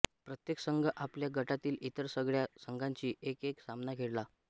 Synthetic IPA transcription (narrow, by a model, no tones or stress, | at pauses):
pɾət̪jeksəŋɡəʔapljaɡəʈat̪iːlit̪əɾsəɡɭjasəŋɡʱaɲt͡ɕiːʔekeksamnakeɽla